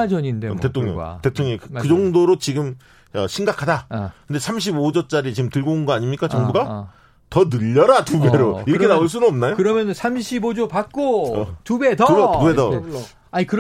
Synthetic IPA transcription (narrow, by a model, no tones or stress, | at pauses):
d͡ʑʌɲindetetʰoŋɲʌ̰te̞tʰoŋɲeŋkɯkɯd͡ʑʌŋdoɾot͡ɕiɡɯm | ʌɕʰiŋɡakʰadakɯnde̞sʰamɕ̬ʰibod͡ʑʌt͡ɕ͈aɾit͡ɕiɯmtɯɭɡounɡʌaɲimɲik͈at͡ɕʌŋbuɡa | tʌnɯʎːʌɾatubeɾoiɾʌɾkʰenauɭs̬͈unɯnʌmnajokɯɾʌmjʌnnsʰamɕʰibod͡ʑopak̚k͈oʌtubedʌuedʌ | aikɯɾ